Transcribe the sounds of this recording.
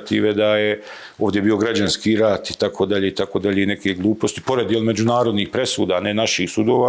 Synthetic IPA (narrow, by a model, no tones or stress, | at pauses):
t̪iːʋe̞d̪aje | o̞ːʋvd̪ʲje̞biːo̞ɡɾad͡ʑanskiɾat̪i̥t̪akʰoːd̪aʎeːit̪akoːd̪aʎeine̞keɡlˠuːpo̞st̪i̥po̞ɾe̞d̪jelme̞d͡ʑunaːɾo̞d̪niːxpɾe̞suːd̪aːne̞naʃixsud̪o̞ːʋa